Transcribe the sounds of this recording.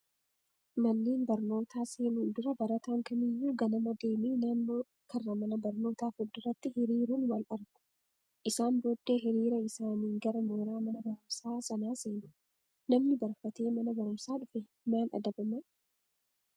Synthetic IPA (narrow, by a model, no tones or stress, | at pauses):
mɐnːeːnbɐɾno̞ːt̪aːseːnuːnd̪ʊɾɐbɐɾɐt̪ɐŋkɐmɪjːuːɡɐnɐmɐd̪e̞ːmiːnaːnːoː | kʰɐrːɐmɐnɐbɐɾno̞ːt̪aːfʊd̪ːɪrːɐt̪ːɪhɪɾiːɾuːnwɐlɐɾɡʊ̥ | ʔɪsaːnboːd̪ːe̞ːɦɪɾiːɾɐɪsaːniːŋɡɐɾɐmoːɾaːmɐnɐbɐɾʊmsaːsɐnaːseːnʊ̥ | nɐmnɪbɐɾfɐt̪e̞ːmɐnɐbɐɾʊmsaːᶑʊfɛ | maːnɐ̰d̪ɐbɐmɐ